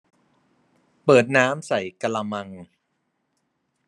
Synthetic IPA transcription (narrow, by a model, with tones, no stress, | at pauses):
pɤː˨˩t̪̚naː˦˥msa˨˩jka˧la˧ma˧ŋ